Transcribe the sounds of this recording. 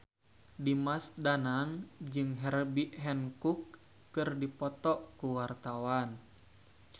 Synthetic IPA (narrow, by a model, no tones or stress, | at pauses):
dimasdanaŋd͡ʒɨŋɦɛrbiʔɦɛnkukː | ɨrdipɔt̪ɔʔkuwart̪awan